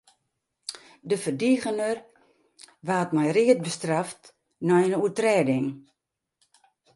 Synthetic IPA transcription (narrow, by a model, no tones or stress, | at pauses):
dəfərdiɣənər | ʋaːtmɛjriət̚bəstraft | nɔjənuətrɛːdɪŋ